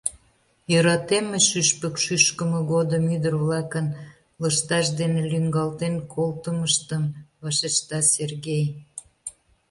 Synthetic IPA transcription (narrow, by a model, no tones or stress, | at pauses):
jøɾɑt̪emeʃyʃpəkʃyʃkəməɣod̪əmyd̪ərβlɑkən | ləʃt̪ɑʃd̪enelyŋɡɑlt̪enkʰolt̪əməʃt̪əmβɑʃet͡ɕt̪ɑserɣej